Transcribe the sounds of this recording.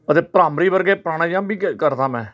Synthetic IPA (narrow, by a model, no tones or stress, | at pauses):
ət̪eːpɾaːmɾiːbəɾɡeːpɾaːɽ̃ãːd͡ʒãːbiːkəɾd̪ãːmɛ̃ː